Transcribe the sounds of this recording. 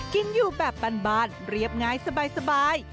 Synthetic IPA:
ki˧njuː˨˩bɛː˨˩pːa˧nbaː˧˩n̚ɾi˦˥˩əp̚ŋaː˦˥˩jsa˧baː˧jsa˧baː˧j

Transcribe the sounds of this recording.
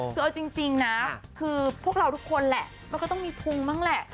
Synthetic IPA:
kɯː˧ʔa˧wt͡ɕi˧ŋt͡ɕi˧ŋna˦˥kʰɯː˧pʰu˥˩əkɾa˧wt̪ʰu˦˥kʰːo˧nlɛ̰˨˩ʔ | ma˧nkɔː˥˩t̪ɔ˥˩ŋmiː˧pʰu˧ŋmaː˥˩ŋlɛ˨˩ʔ

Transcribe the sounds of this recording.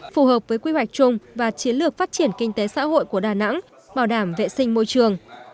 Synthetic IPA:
fu˨˩həː˨˩p̚vəː˨˦jkwi˧hwa˨˩jk̟̚t͡ɕʊ˧ŋ͡mvaː˨˩t͡ɕi˨˦ənlɨ˨˩ək̚faː˦˥t̚t͡ɕi˧˩ənki˧ŋ̟t̪e˨˦sa̰ː˧˥ho̰˧˨jku˧˩əɗaː˨˩na̰˧˥ŋ | ɓaː˧˩wɗaː˧˩mvḛ˧˨sï˧ŋ̟mo˧jt͡ɕɨ˨˩əŋ

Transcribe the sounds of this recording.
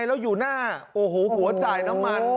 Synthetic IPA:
jlɛː˦˥wjuː˨˩naː˥˩ʔoː˨˩ɦoː˨˦hu˨˩˦ɐt͡ɕaː˨˩jna˦˥mːa˧n

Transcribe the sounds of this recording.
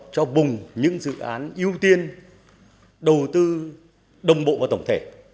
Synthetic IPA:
t͡ɕɔ˧vʊ˨˩ŋ͡mɲɨ̰˧˥ŋzɨ̰˧˨ʔaː˨˦nʔi˧əwt̪i˧ən | ɗə˨˩wt̪ɨ˧ | ɗə˨˩wŋ͡mɓo̰˧˨vaː˨˩t̪ə˧˩ŋ͡mt̪ʰe˧˩

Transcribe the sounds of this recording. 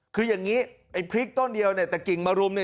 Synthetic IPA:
kʰɯː˧ja˨˩ŋːiː˦˥ʔa˧˩jpʰɾi˦˥k̚t̪ɔ˥˩ndi˧əwni˥˩t̪ɛː˨˩ki˨˩ŋmaː˧ɾu˧əmni˧˩

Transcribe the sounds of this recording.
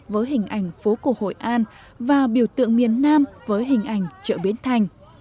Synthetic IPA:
vəː˨˦jɦï˨˩ŋ̟ʔa˧˩jŋ̟fo˨˦ku˧˩əho̰˧˨jʔaː˧n | vaː˨˩ɓi˧˩əwt̪ɨ̰˧˨əŋmi˨˩ənːaː˧mvəː˨˦jɦï˨˩ŋ̟ʔa˧˩jŋ̟t͡ɕə̰ː˧˩ɓi˨˦ənt̪ʰa˨˩jŋ̟

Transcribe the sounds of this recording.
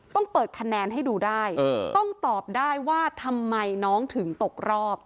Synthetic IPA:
t̪ɔ˥˩ŋpɤː˨˩t̪̚kʰa˧nɛː˧nɦa˥˩jduː˧daː˥˩jt̪ɔ˥˩ŋt̪ɔː˨˩p̚daː˥˩jwaː˥˩t̪ʰa˧mːa˧jnɔː˦˥ŋt̪ʰɯ˩˦ŋt̪o˨˩k̚ɾɔː˥˩p̚

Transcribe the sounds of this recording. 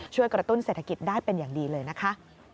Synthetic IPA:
t͡ɕʰu˥˩əjkɾa˧t̪u˥˩nseː˨˩t̪ʰa˧ki˨˩t̪̚daː˥˩jpe˧njaː˨˩ŋdiː˧lɤː˧jna˦˥kʰa˦˥ʔ

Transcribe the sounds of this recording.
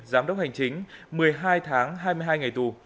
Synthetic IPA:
zaː˨˦mɗə˦˥k͡p̚ha˨˩jŋ̟t͡ɕï˨˦ŋ̟mɨ˨˩əjɦaː˧jt̪ʰaː˨˦ŋɦaː˧jmɨ˧ɦaː˧jŋa˨˩jt̪u˨˩

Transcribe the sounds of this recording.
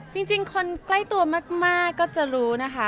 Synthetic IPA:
t͡ɕi˧ŋt͡ɕi˧ŋkʰo˧nkla˥˩jt̪u˧ɐmaː˥˩k̚maː˥˩kːɔː˥˩t͡ɕa˨˩ɾuː˦˥na˦˥kʰa˦˥

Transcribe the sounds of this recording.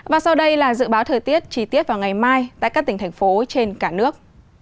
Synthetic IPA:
vaː˨˩sa˧wɗə˧jlaː˨˩zɨ̰˧˨ɓaː˨˦wt̪ʰəː˨˩jt̪i˦˥ət̚t͡ɕi˧˩t̪i˦˥ət̚vaː˨˩wŋa˨˩jmaː˧jt̪a̰˧˨kaː˦˥kt̪ï˧˩ŋ̟tʰɛ˨˩ŋ̟fo˨˦t͡ɕe˧nkaː˧˩nɨ˦˥ək̚

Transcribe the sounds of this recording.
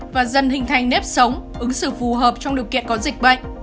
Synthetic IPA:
vaː˨˩zə˨˩nhï˨˩ŋ̟t̪ʰa˨˩jŋ̟nɛ˦˥p̚sə˨˦wŋ͡mʔɨ˨˦ŋsɨ̰˧˩fu˨˩ɦəː˨˩p̚t͡ɕɔ˧wŋ͡mɗi˨˩əwkḭ˧˨ənkɔ˨˦zï˨˩k̚ɓə̰˧˨jŋ̟

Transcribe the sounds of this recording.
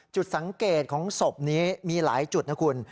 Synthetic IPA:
t͡ɕu˨˩t̪̚sa˩˦ŋkeː˨˩t̪̚kʰɔː˩˦ŋso˨˩p̚niː˦˥miː˧la̰ː˩˦jt͡ɕu˨˩t̪̚na˦˥kʰu˧n

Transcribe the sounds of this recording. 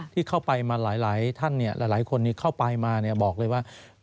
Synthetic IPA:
t̪ʰiː˥˩kʰa˥˩wpa˧jmaː˧laː˩˦jlaː˩˦jt̪ʰa˥˩nːi˥˩ɐlʔaː˨˦jlaː˩˦jkʰo˧nːiː˥˩kʰa˥˩wpa˧jmaː˧ni˥˩əbɔː˨˩k̚lɤː˧jwaː˥˩

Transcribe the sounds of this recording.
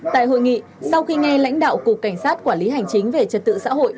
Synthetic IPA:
t̪a̰ː˧˨jɦo̰˧˨jŋḭ˧˨sa˧wxi˧ŋɛ˧la̰˧˥jŋ̟ɗa̰ː˧˨wku˨˩əkːa˧˩jŋ̟saː˦˥t̚kwaː˧˩nli˨˦ɦa˨˩jŋt͡ɕï˨˦ŋ̟ve˨˩t͡ɕə˨˩t̚t̪ɨ̰˧˨sa̰ː˧˥ɦo̰˧˨jʔ

